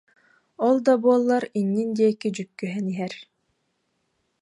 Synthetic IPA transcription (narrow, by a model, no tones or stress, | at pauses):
ɔlˠd̪abuɔlˠːaɾinːind̪iɛkid͡ʑykːyɦɛniɦɛɾ